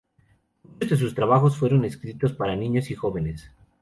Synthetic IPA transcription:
muozðe̞s̬ust̪ɾaβaxo̞sfwe̞ɾo̞ne̞skɾit̪o̞spaɾanĩɲosixo̞βe̞nes

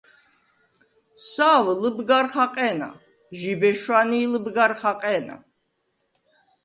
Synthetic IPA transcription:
saːwləbɡaɾχaqʼɛːna̰ | ʒibɛʃwaniːləbɡaɾχaqʼɛːna̰

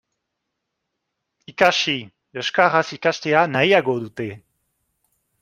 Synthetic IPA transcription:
ikaʃi | øʃkaʁasikaʃt̪eanajaɡod̪ut̪e

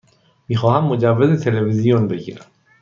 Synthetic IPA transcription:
miːxɒːhæmːo̞d͡ʒævːezet̪ʰele̞vizijonbe̞ɟḭːɾæ̰m

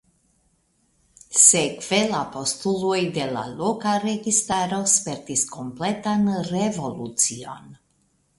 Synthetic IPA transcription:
sekv̥e̞lapo̞stulojd̪e̞la̰lokaɾe̞ɡist̪aɾo̞speɾtisko̞mple̞tanrevo̞lut͡sio̞̰n

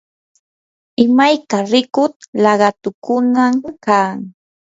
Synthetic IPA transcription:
ɪmajkaɾɪkʊt̪lɑɢɑt̪ʊkʊnakaːŋ

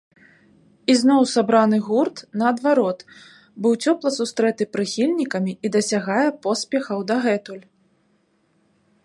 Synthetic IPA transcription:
iznɔwsabɾanɨɣurt̪nɐːd̪vaɾɔt̪ | bɨwt͡sʲɔplˠɐsust̪ɾɛt̪ɨpɾɨxʲilʲnʲikɐmʲiid̪ɐsʲaɣajɛpɔspʲɛxɐwd̪ɐɣɛt̪ulʲ

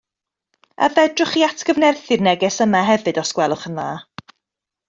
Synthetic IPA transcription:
a̰ðɛdrʊχiatʰɡ̥əvnɛrθɨrnɛɡɛsəmaɦɛvɨdɔskwɛlˠʊχənðaː

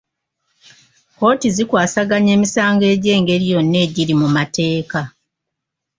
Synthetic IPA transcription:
ko̞ːtizikwaːsaɡaɲe̞ːmisaːŋɡe̞ːɟe̞ːŋɡe̞ɾijo̞nːe̞ːɟiɾimumate̞ːka

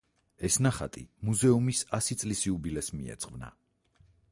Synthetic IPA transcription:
ɛsnaχa̰t̪ʼimuzɛumisasit̪sʼlisiubilɛsmiɛ̰t̪sʼqʼvna̰

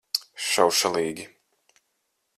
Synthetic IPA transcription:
ʃawʃalˠiːɡʲi

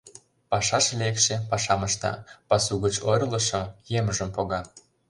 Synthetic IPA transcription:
pɑʃɑʃlekʃĕpɑʃɑmɤʃt̪ɑ̰pɑsuɣət͡ɕoɾʲlə̆ʃojeməʒə̆mpoɣɑ

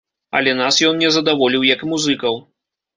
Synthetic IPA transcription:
ɐ̰lʲɛnasjɔnnʲɛzɐd̪avɔlʲiwjɐkmuzɨkɐw

